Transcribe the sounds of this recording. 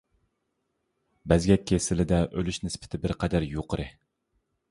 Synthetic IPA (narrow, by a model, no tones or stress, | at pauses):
bɛzɡʲɛkʲʰːesɪlɪd̪ɛʔølyʃnɪspʰɪ̥t̪ʰɪbɪɾqʰɛd̪æɾjoqʰəɾɨ